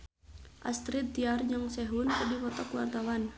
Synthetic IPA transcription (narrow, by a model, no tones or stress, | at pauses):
ʔa̰st̪ɾit̪ːiard͡ʒəŋsɛɦunkadiwɔt̪ɔkwart̪awan